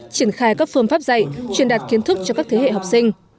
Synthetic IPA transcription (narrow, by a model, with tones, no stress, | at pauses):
t͡ɕi˧˩ənxaː˧jkaː˦˥k̚fɨ˧ənfaː˦˥p̚za̰˧˨jt͡ɕwənɗaː˨˩t̚ki˨˦ənt̪ɨ˦˥k̚t͡ɕɔ˧kaː˦˥k̚t̪ʰe˨˦wḛ˧˨ɦa˨˩k͡p̚sï˧ŋ̟